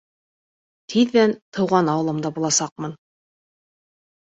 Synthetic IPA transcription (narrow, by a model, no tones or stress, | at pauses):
t̪ʰiðːænt̪ʰɤ̆wʁɑnɑwɤ̆lˠɤmd̪ɑbulˠɑsɑq̚mɤn